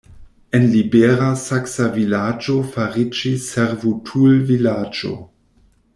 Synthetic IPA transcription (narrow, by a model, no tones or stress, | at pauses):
enlibeʁasaksavilad͡ʒofaʁid͡ʒisːeɾvutʰulvilaːd͡ʒo̰